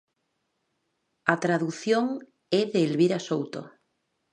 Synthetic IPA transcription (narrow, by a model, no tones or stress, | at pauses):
at̪ɾaðuθjoŋ | eðeːlβiɾasowt̪o̰